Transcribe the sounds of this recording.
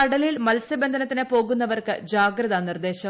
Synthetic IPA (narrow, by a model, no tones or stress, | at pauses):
ɐɽɐlilmɐlsɐbend̪ʱɐnɐt̪ːinepo̞ːɣunːɐʋɐrkɨd͡ʑaːɡɾɐðanird̪e̞ːɕɐ